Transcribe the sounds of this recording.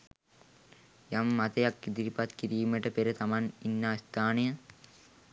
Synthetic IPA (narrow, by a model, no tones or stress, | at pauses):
jamːat̪ɐjakːid̪iɾipat̪kiɾiːmeʈəpeɾət̪amaninːaːst̪ʰaːnejə